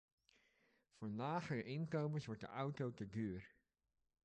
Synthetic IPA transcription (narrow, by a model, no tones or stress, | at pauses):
foːɹnlaːxərəʔɪnkowməsʋɔɹt̚də̰ʔawtowtəɡøːər